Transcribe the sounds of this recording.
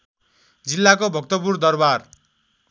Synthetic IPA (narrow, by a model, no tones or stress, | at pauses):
d͡zilːakobʱʌk̚t̪ʌpurd̪ʌrbar